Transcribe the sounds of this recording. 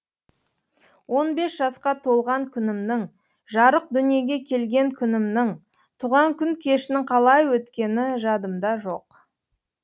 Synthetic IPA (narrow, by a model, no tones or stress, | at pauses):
wo̞nbe̞sʒɑsqɑt̪ʰo̞lˠʁɑŋkʲʰʏnɪmnɪŋ | ʒɑɾəq̚d̪ʏnije̞ɡʲe̞kʲʰe̞lɡʲe̞ŋkʲʰʏnɪmnɪŋ | t̪ʰuʁɑŋkʲʏŋkʲʰe̞ʃɪnɪɴqʰɑlˠɑjwɵt̪kʲe̞nɪʒɑd̪əmd̪ɑʒo̞q